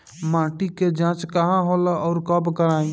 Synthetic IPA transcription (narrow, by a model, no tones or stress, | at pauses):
mãːʈiked͡ʒãːt͡ʃkəɦãɦoːlaʔɔːɾkəbkəɾaːĩ